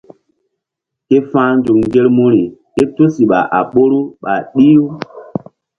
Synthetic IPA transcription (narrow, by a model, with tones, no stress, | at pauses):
ke˦fãː˦nd͡ʒu˨k̚ŋ˦ɡe˦ɾmũ˦ɾi˨ke˦to˦si˨ɓa̰˨ʔa̰˨ɓo˦ɾu˦ɓa˨ɗi˦u˦